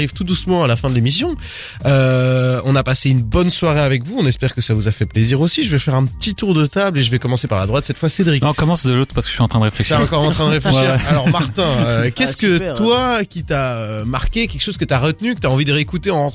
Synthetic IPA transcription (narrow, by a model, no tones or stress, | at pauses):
ʁivt̪ud̪usmɑ̃alafɛ̃d̪əlemisjɔ̃ | øɔ̃napaseynbɔnswaʁeavɛkvuɔ̃nɛspɛʁkəsavuzafɛpleziʁosiʒəvɛfɛʁɛ̃pət̪it̪uʁd̪ət̪ableʒəvɛkɔmɑ̃sepaʁlad̪ʁwat̪sɛt̪fwased̪ʁikɔ̃kɔmɑ̃sd̪əlot̪χpaʁsə̥kə̥əɥiɑ̃t̪χɛ̃d̪əʁefleʃaɑ̃kɔʁɑ̃t̪χɛ̃d̪əʁefleʃʃiʁalɔʁmaʁt̪ɛ̃økʲɛkət̪wakʲit̪aømaʁkʲekʲɛlkʃoz̥kət̪yaʁət̪nykət̪yaɑ̃vid̪əʁeekut̪eɑ̃